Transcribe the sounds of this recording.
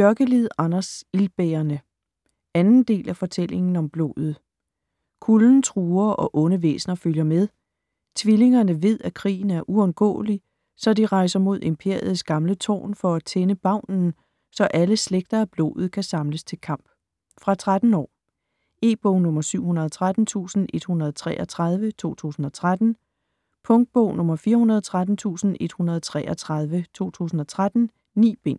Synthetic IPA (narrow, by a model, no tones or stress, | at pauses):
ɶɐɡ̥əliðˠɑ̈nɐsilb̥eɐnə | ænn̩d̥e̝̰ːlæfɒ̽t͡sʰel̰e̝ŋn̩ɒ̽mb̥lɔ̰ːð̞̩ˠ | kʰuln̩t͡sʰʁuːɐʔɒ̽ʔɔ̽nəʋḛːsnɐføljɐmeðˠ | t͡sʰʋile̝ŋɐnəʋe̝ð̞̰ˠækʰʁḭːn̩æɐʔuɒ̽nɡ̥ɔ̰̽ːli | sɒ̽diʁɑ̈ɪsɐmo̝ð̞̰ˠe̝mpʰe̝ɐ̰ið̩ˠsɡ̥ɑ̈mlət͡sʰɔ̰ːnfɒ̽æt͡sʰenəb̥ɑ̈ʊ̰nn̩ | sɒ̽ʔæləsleɡ̥̚d̥ɐæb̥lo̝̰ːð̞̩ˠkʰæsɑ̈mləst͡sʰe̝lkʰɑ̈m̰b̥ | fʁɑ̈t͡sʰʁad̥n̩ɒ̰ː | e̝̰ːb̥oːnɔ̽mɐsyʊ̰hunɐðˠt͡sʰʁad̥n̩t͡sʰṵːsn̩ʔe̝d̥hunɐð̩ˠt͡sʰʁɛʔɒt͡sʰʁað̞ˠʋət͡sʰo̝̰ːt͡sʰṵːsn̩ɒ̽t͡sʰʁad̥n̩ | pʰɔ̽ŋd̥̚b̥ɔ̰ʊnɔ̽mɐfiːɐhunɐð̞ˠt͡sʰʁad̥n̩t͡sʰṵːsn̩e̝d̥hunɐð̩ˠt͡sʰʁɛ̰ːʔɒt͡sʰʁɑð̞ˠʋət͡sʰo̝̰ːt͡sʰṵːsn̩ɒ̽t͡sʰʁad̥n̩ | nḭːb̥e̝n̰